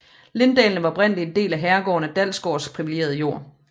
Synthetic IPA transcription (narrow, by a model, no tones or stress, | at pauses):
le̝nd̥ɛ̰ːln̩əʋɑ̈ɒb̥ʁɛn̰əlie̝nd̥e̝̰ːlæɦæɐɡ̥ɒ̰ːnæd̥æl̰sɡ̥ɒ̰ːspʰʁiʋili̥ɡe̝̰ːɐð̞̩ˠəjo̝ɐ̰